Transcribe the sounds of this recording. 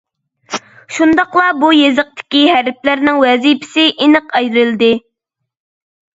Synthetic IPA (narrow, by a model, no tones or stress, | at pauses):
ʃund̪ɑqlˠɑbujezɨq̚t̪ʰɪ̥kʲihæɾplæɾnɪŋwɛzipʰɪ̥sɪʔinɨqɛjɾɨld̪ɪ